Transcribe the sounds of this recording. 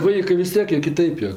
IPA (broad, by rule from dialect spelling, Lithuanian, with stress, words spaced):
ˈʋɐɪkɜ ʋʲɪs ˈtʲiɛk jiɛ kʲɪˈtɐɪp joː